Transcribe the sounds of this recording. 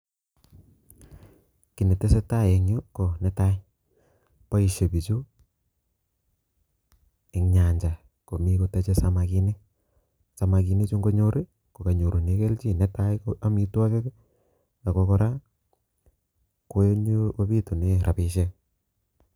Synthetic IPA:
ki˨ne˨te˦se˦ta˦je˨ɲo˦ko˨nɛ˦ta˦ɪ˦ | pa˦i˨ʃe˨bi˨t͡ʃu˦ | ɪ˨ŋɲa˨ɲd͡ʒa˨ | ko˨mi˦ko˦te˦t͡ʃe˦sa˦maki˦ni˦ | sa˨ma˨ki˨ne˦t͡ʃu˦ŋɡo˦ɲo˦ɾe˦ | ko˨ka˨ɲo˨ɾo˨ni˦ke˦lt͡ʃi˦nɛ˦ta˦jkoa˦mi˦twa˦ke˦ | ɡa˨ko˦kɔ˦ɾa˦ | ko˦ɲo˦ko˦bi˦tu˨nɪ˦ɾʔa˨pɪ˦ʃe˦

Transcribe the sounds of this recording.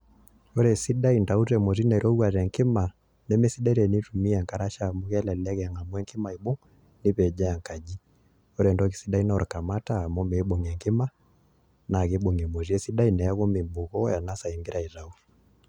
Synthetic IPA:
ɔ˦ɾɛ˨si˦ɗa˦i˨nda˨u˦tɛ˨mɔ˨zi˦na˨i˨ɾʔɔ˦ɡwa˨ɾɛ˨ŋki˦ma˨ | mɛ˦mɛ˦si˦ɗɛ˦ɾɛ˨ni˦tu˨mi˦ɛ˨ŋka˨ɾa˦ʃa˦mu˦ɣɛ˦lɛ˨lɛ˦ɣɛ˨ŋa˨mu˦ɛ˦ŋki˦ma˨i˨ɓu˦ŋ | ni˦βɛ˨d͡ʒa˦ja˨ŋka˨d͡ʒi˦ | ɔ˦ɾɛ˨ndɔ˦ki˨si˦ɗa˦i˦na˦ɔ˨ɾka˨ma˦taː˦˨mɔ˦mɛ˨i˦ɓɔ˨ŋɛ˨ŋki˦ma˦ | na˨ɣi˦ɓu˨ŋɛ˨mɔ˨zi˦ɛ˦si˦ɗa˦i˨nɛ˨ja˦ɣɔ˦mi˨mbu˨ɣɔ˦ja˨na˦sa˨i˨ŋɡi˦ɾa˨i˨ɾa˦u˦

